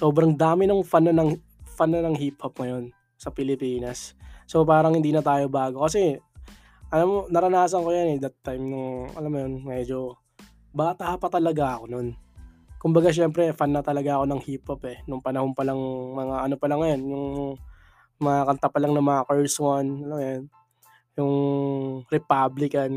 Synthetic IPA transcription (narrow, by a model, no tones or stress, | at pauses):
so̞ːbɾɐŋd̪aːmɪnʊŋfanɐnɐŋ | fanːɐnɐŋɦip̚hop̚ŋɐjo̞n | sɐpɪlɪpiːnɐsːopaːɾɐŋhɪnd̪iːnɐt̪aːjo̞baːɡo̞kɐsɛ | ʔɐlamːonɐɾɐnaːsɐnkojanɛd̪ɐt̪ːajmnʊŋʔɐ̰lamːʊjonmɛd͡ʒo̞ | baːt̪apɐt̪ɐlɐɡaʔɐko̞no̞nkʊmbɐɡaʃ̬ɛmpɾɛfanːɐt̪ɐlɐɡaɐko̞nɐŋhipopɛnʊŋpɐnɐhonpɐlɐŋmɐŋaʔɐno̞pɐlɐŋːɐjonjʊŋ | mɐŋakɐnt̪apɐlaŋnɐmɐŋakɛɹswonɐlamjon | jʊŋ | ɾɛpablɪkɐn